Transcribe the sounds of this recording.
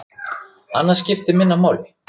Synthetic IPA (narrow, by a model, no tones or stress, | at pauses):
a̰nːascɪft̪ɪmɪnːamaːwlɪ